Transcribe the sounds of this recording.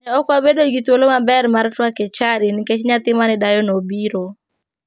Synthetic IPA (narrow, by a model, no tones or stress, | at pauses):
ɛɔkwabedoɡit̪wolomabɛɾmaɾtwakɛt͡ʃaɾinɪket͡ʃɲat̪ɪmanɪdajɔnobiɾo